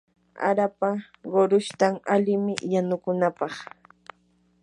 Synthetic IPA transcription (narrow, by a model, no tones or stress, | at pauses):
a̰ɾapa | ɢoɾʊʃt̪aŋalɪmɪjanʊkʊnapɑχ